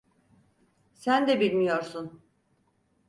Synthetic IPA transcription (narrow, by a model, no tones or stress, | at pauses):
sænd̪ɛbilʲmijoɾsun